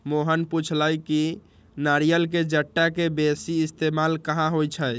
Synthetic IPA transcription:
moɦənput͡ʃʰlajki | naɾijəlked͡ʒəʈːakebesiːst̪emalkəɦãɦojt͡ʃʰə

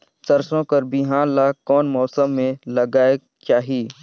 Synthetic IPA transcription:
sɐɾsõpɐɾbɪɦaːnlaːkɔːnmɔːsəmːẽlɐɡaːe | t͡ʃaːɦieː

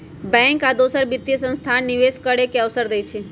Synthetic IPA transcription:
bɛ̃ŋkad̪osəɾbit̪ːijəsə̃nst̪ʰanːiʋeskəɽekeəʋsəɾd̪eit͡ʃʰe

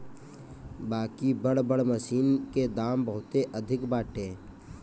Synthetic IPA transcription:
baːkibəɽbəɽməsiːnked̪aːmbəɦʊt̪eʔəd̪ʱɪkbaːʈẽː

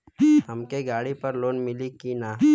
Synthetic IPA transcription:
hɐmkeɡaːɽipɐɾloːnmɪlikinaː

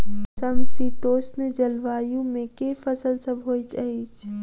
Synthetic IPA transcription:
sɐmsiːt̪oːsnəd͡ʒɐlʋaːjũmẽkefɐsəlsɐbʱɦoːt̪ɐiːt͡ʃʰ

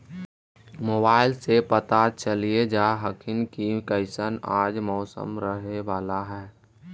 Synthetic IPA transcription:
moːbaːɪlsepət̪at͡ʃəlied͡ʒaːɦəkʰɪnkikəɪsənaːd͡ʒmɔːsə̰mɾəɦeʋaːlaɦɛː

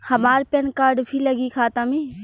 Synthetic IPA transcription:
hɐmaːɾpenkaːɾɖpʰiləɡikʰaːt̪ami

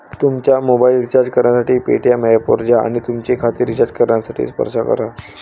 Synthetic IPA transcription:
t̪umt͡ɕjamobailit͡ɕaɾd͡ʑkəɾnjasaʈiːpḛʈijamejapoɾd͡ʑaa̰ɽ̃it̪umt͡ɕekʰat̪iɾit͡ɕaɾd͡ʑkəɾɳjasaʈʰḭːspə̰ɾʂakə̰ɾa

